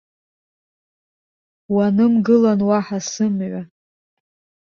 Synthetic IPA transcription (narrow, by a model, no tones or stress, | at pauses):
wanɨmɡɨlanwaħasɨmʕʷa